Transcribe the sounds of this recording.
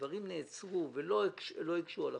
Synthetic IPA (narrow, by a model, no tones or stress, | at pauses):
vaʁimneːt͡sʁuvelokʃelo̞ikʃuala